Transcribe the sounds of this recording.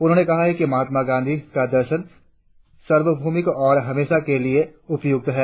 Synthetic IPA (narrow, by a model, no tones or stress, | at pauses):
ʊnɦõːnekɐɦaɦɛkimɐɦaːt̪maɡãːnd̪ʱikad̪ɐɾʃən | sɐɾʋəbʱuːmɪkɔːɾɦɐmeːʃakelieʊpjʊk̚t̪ɦɛː